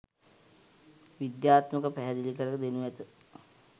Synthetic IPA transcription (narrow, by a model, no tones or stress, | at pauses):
ʋid̪jaːt̪məkəpæɦɛd̪ilikəɾəkəd̪enuʋɛt̪ə